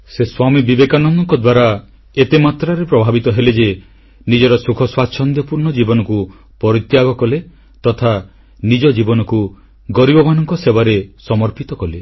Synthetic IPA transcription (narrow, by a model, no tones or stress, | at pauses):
seswamibibekanɔnd̪ɔŋkɔd̪waɾa | et̪emat̪ɾaɾepɾɔbʱabit̪ɔɦeled͡ʒe | nid͡ʒɔɾɔsukʰɔswat͡ʃʰɔnd̪jɔpuɾnɔd͡ʒibɔnɔku | pɔɾit̪jaɡɔkɔle | t̪ɔt̪ʰa | nid͡ʒɔd͡ʒibɔnɔku | ɡɔɾibɔmanɔŋkɔsebaɾesɔmɔɾpit̪ɔkɔle